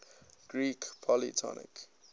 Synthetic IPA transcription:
ɡ̥ɹiːkpʰɔlitʰɔ̰nɪ̰k

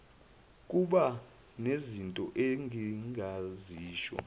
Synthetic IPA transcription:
kʼuɓa | nezintʼɔʔeŋʱiŋʱaziːʃwɔ̰

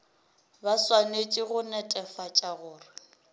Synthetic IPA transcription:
baswanet͡ʃʼiɣʊnɛtʼɛfat͡ʃʼaɣʊːrwɪ

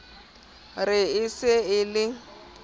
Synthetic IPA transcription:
rɪɪsɪɪlɪ

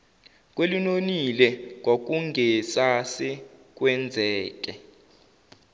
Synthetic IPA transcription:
k̬ʼwelinonilɛŋʱok̬uŋɡʱɛsasɛk̬ʼwɛnd͡zʱɛːk̬ʼɛ

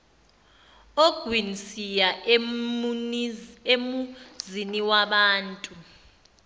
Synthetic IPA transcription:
oɡ̥ʱwinsija | emuziniwaɓaːntʼu

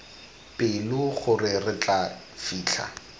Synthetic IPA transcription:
pʼɪlʊχʊrɪrɪt͡ɬʼa | fiːt͡ɬʰa̰

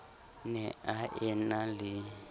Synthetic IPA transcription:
nɛaʔɛnalɪ

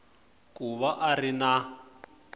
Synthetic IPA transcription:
kʼuβaʔarina

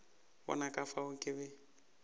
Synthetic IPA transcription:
wɔ̰nakʼafaʊkʼɪbɛ

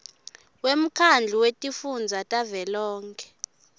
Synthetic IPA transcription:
wem̩kʰand͡ɮʱiwetʼifund͡zʱatʼavɛlɔːŋkʰɛ̥

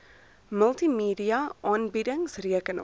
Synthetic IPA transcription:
məlˠtimiːdiɐʔɑːnbidəŋsriəkənə̰

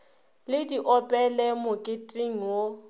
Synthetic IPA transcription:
lɪdiʔɔpʼɛlɛmʊkʼɪtʼɪŋ̩wo

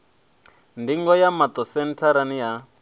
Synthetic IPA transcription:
ndiŋɡɔjamat̪ɔsɛntʰaɾaniɦa

